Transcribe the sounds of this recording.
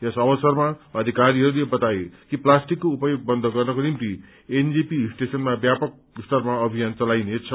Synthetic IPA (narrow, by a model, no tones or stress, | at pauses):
jʌsʌbʌsʌrmaʌd̪ʱikaɾiɦʌɾulebʌt̪ajekiplasʈikːoupʌjoɡ̚bʌnd̪ʱʌɡʌrnʌkonimt̪i | end͡zipisʈesʌnmabjapʌk̚ | st̪ʌrmaʌbʱijant͡sʌlajnet͡sʰʌ